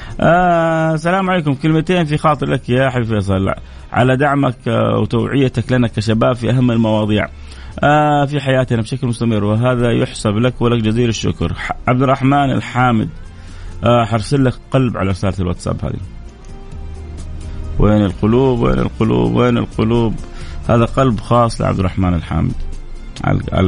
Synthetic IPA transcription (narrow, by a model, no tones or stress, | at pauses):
ʔasalaːmʕaleːkʊmkɪlmat̪eːnfixɑːt̪ˤɨɾlakjaʔħabifeːs̬ˤɑla̰ | ʕa̰lad̪aʕmakwt̪awʕɪjːat̪aklanakːaʃabaːbfiʔaɦamːɪlmɑwɑːd̪ˤiːʕ | afiħajaːt̪nabʃaklmʊst̪amɪrːwɪɦaːðajʊħsablakwɪlakd͡ʒaziːlɪʃːʊ̰kɾˤʕab̚d̪ɪrˤːɑħmaːnɪ̰lħaːmɪ̰d̪ | ħɑɾˤsˤɪlːakqɑlbʕa̰laɾɪsaːlalwaːt̪sˤa̰bha̰ːðḭ | weːnɪlqʊluːbwḛːnɪ̰lqʊlṵːbweːnɪ̰lqʊluːbhaːðaqɑlbxɑːsˤlɪ̰ʕa̰bd̪ɪrˤɑħmaːnɪlħa̰ːmɪ̰d̪̥ | ʕa̰a̰